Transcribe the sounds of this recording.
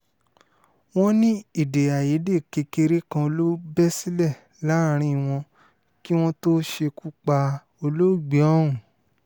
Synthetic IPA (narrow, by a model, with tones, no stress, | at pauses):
w̃ɔ̃˦nĩ˦i˦˨de˨a˨ji˨˦de˦˨ke˧ke˧ɾe˦kã˧o˧lo˦bɛ˦si˦lɛ˦˨ | la˨˦˧ɾ̃ĩ˧˦˨w̃ɔ̃˧ | ki˦w̃ɔ̃˦to˦ʃe˧ku˦k͡pa˧ | o˧lo˦˨ɡ͡bi˨˦ɔ˦ũ˨